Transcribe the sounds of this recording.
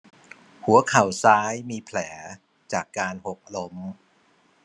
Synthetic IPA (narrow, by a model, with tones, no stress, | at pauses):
hu˩˦ɐkʰa˨˩wsaː˦˥jmiː˧pʰlɛː˩˦ | t͡ɕaː˨˩kːaː˧nho˨˩k̚lo˦˥m